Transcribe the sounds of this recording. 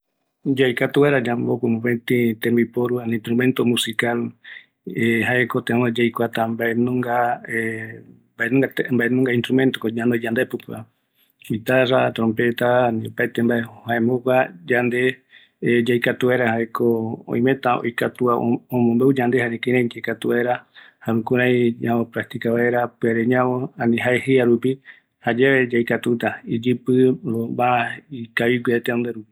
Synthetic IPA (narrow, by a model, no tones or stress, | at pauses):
d͡ʒajkat̪uβaɾad͡ʒambokʷumũpent̪ĩt̪ẽmbipoɾuanĩnst̪ɾumẽnt̪omũsikal | ehaʔekot̪eõned͡ʒajkʷat̪ambaenũŋɡae | baenũŋɡambaenũŋɡainst̪ɾumẽnt̪okod͡ʒãnd̪ed͡ʒand̪epɨpa | it̪aɾat̪ɾõmpet̪anĩopaet̪embaehaemokʷad͡ʒand̪e̞ | d͡ʒajkat̪uβeɾahaekoõ̰j̃mẽ̞t̪ao̰jkat̪uaõmõmbeud͡ʒand̪ehaɾẽkẽɾãĩd͡ʒekat̪uaeɾa | haɾũkuɾ̃ãj̃ɲãopɾak̚t̪ikaβaeɾapɨaɾeɲãβoãnĩɦaehɨaɾupi | had͡ʒeβed͡ʒajkat̪ut̪aid͡ʒɨpɨɾobaaikaβiɡʷwiet̪eond̪eɾupi